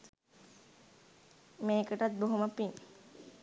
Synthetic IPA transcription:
meːkəʈat̪̚boɦoməpin

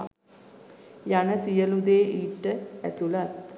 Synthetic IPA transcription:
janəsijəlud̪eːʔiːʈːəæt̪ulat̪̚

